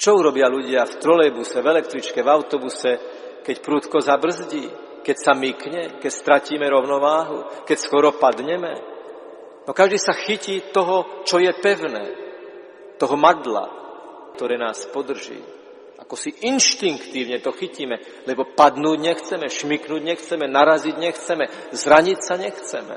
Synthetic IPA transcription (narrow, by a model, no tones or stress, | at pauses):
t͡ʃɔuɾɔbɪaluɟɪaft̪ɾɔlɛbusɛvɛlɛk̚t̪ɾit͡ʃkɛvaʊt̪ɔbusɛ | kɛcpɾuːt̪kɔzabr̩zɟiː | kɛcsamikɲɛkɛcst̪ɾaciːmɛɾɔʊnɔʋaːɦukɛcskɔɾɔpad̪ɲɛmɛ̰ | nɔkaʒd̪iːsaxiciːt̪ɔɦɔt͡ʃɔjɛpɛʊnɛ̰ː | t̪ɔɦɔmad̪la̰ | kt̪ɔɾɛːnaːspɔd̪r̩ʒḭː | ʔakɔsiʔinʃt̪iŋkt̪iːʊɲɛt̪ɔxiciːmɛ | lɛbɔpad̪nuːɟɲɛxt͡sɛmɛʃmiknuːɟɲɛxt͡sɛmɛnaɾaziɟɲɛxt͡sɛmɛ | zɾaɲicsaɲɛxt͡sɛ̰mɛ̰